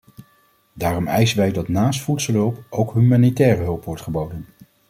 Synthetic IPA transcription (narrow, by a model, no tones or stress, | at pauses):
daːrɔmɛjsənʋɛjdɑtnaːstfutsəlɦɵlˠpʔowkɦymanitɛːrəɦɵlˠpʋɔɹtχəbowdən